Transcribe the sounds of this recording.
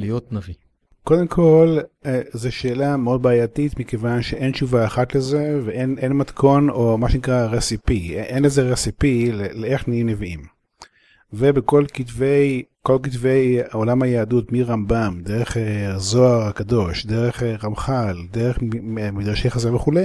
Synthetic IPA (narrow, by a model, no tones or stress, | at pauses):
lijot̪navi | ko̞d̪e̞mkʰo̞lzeʃe̞ːlameo̞d̪̚baaːjat̪it̪mikevanʃeʔent͡ʃuvaaχat̪lezeveʔenʔenmat̪kʰo̞nomaʃenikʁaʁesipiʔenlezeʁesipileleeχnaimneviim | vebeko̞lkitvejko̞lk̬it̪vejolamhajaːdutmiʁambamd̪eʁeχezo̞aʁakad̪o̞ʃd̪e̞ʁeχʁamχald̪eʁeχmid̪ʁaʃejχazaveχulej